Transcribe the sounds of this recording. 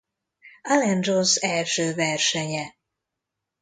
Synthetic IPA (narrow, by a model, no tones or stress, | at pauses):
ɐlɛnronsɛlʃøːvɛrʃɛɲɛ